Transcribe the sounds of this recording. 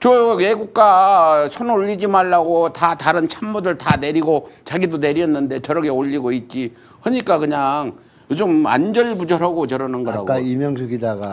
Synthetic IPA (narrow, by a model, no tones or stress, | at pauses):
t͡ɕʌweɡuk̚k͈asʰonoʎːid͡ʑimaɭːaɡotataɾɯnt͡ɕʰammudɯɭtane̞ɾiɡot͡ɕaɡidone̞ɾiʌnːɯnde̞t͡ɕʌɾʌkʰeoʎːiɡoit̚t͡ɕ͈i | hʌɲik͈akɯɲaŋ | jod͡ʑɯma̰nd͡ʑʌɭbud͡ʑʌɾɦaɡot͡ɕʌɾʌnɯnɡʌɾa̰ɡkaimjʌŋsʰuɡidaɡa